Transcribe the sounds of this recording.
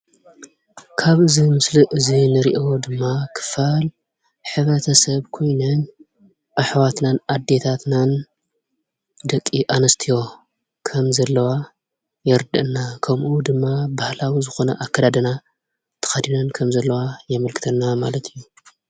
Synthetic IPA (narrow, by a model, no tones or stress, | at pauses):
kʰaβɨzimɨsliʔɨzinɨɾḭʔo̞d̪ɨmːakʰɨ̥fal | ħɨβɾɐt̪ʰɐsɐβkʰo̞jnɐn | ʔaħwat̪nanʔad̪ːe̞t̪ʰat̪nan | d̪ɐkʼːiʔanɐst̪ʰijo̞ | kʰɐmzɐlːɐwa | jɛɾd̪ɐ̰ʔɨnːakʰɐmʔud̪ɨmːabahlawizɨxo̞nɐʔakʰːɐd̪ad̪ɐna | t̪ʰɐ̥xɐd̪inɐnkʰɐmzɐlːɐwajɛmɐlkʰɨt̪ʰɐnːamalɐt̪ʰijːu